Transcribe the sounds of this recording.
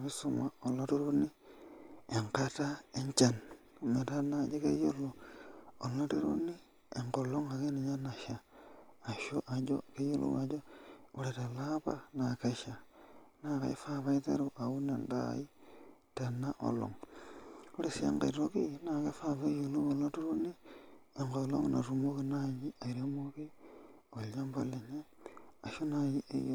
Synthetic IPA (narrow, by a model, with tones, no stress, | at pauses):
βi˦suma˨o˨loɾiɾu˦ni˦ | eŋkatae˦ɲt͡ʃan | me˨ta˦na˨d͡ʒe˦kḛ˦jo˦lo | o˨lo˦ɾi˦ɾṵ˦ni˦ | eŋko˨lo˦ŋa˨keni˨ɲa˦na˨ʃaː˨ | ʃoʔa˨d͡ʒo̰ke˦jo˦lṵwa˨d͡ʒo˦u˦ɾe˨te˨laβa˦nake˦ʃanaka̰i˦faβaitḛ˦ɾoa˨u˦ne˨nda̰i˦ta˨na˦ʔo̰lo̰ŋ | oɾesiḛŋɡḛɾiɾokina˨kefaβa˦jo˨lu˦βo˨lotu˦ɾu˦nieŋɡolo̰˦ŋnʔa̰˨rumo˦kinaɲia˨iɾemoki˦ | ola˦mba˦le˨ɲe˦a˨ʃo˦najiḛj